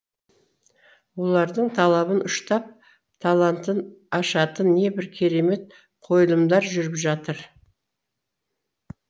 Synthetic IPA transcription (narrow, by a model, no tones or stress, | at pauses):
wo̞lˠɑɾd̪əɴt̪ʰɑlˠɑβənʊʃt̪ɑp̚ | t̪ʰɑlˠant̪ənɑʃɑt̪ənːe̞bɪɾkʲʰe̞ɾe̞me̞t̪̚ | qʰo̞jəlˠəmd̪ɑɾʒʏɾɪpʒɑt̪əɾ